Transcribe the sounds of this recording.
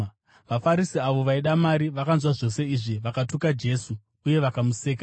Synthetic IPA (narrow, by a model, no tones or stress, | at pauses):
ʋafaɾisiaʋo̞ʋaiɗamaɾiʋakanzwaʐo̞se̞iʐiʋakatukad͡ʒe̞su | uje̞ʋakamuseːka